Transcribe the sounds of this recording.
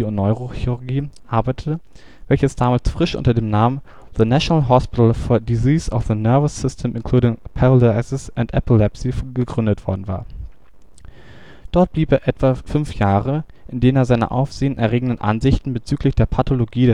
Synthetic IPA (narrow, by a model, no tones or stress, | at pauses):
ʊntnɔʏʁoxiʁʊɐɡiːʔaɐbaɪtʰətə | vɛlçəsd̥aːmaːlsfʁ̥ɪʃʔʊ̰ntɐdeːmnaːmən | ðənaʃonalɦɔspɪtl̩fɔɐdiziːsɔfðənœɐvəsɪstʰɛmʔɪnkʰl̥uːdɪŋpʰaʁolaɪsɪsʔantʔɛ̰pʰɪlɛpsiɡəɡʁʏndətv̥ɔɐdn̩va̰ːɐ | d̥ɔɐt̚b̥liːpeːɐʔɛtv̥afʏnfjaːʁə | ʔɪndeːnəneːɐzaɪnə̰ʔa̰ʊfz̥eːənʔɛ̰ɐʁeːɡŋ̩dənʔa̰nzɪçtn̩bət͡syːklɪçd̥eːɐpʰatʰoloɡiːdɛ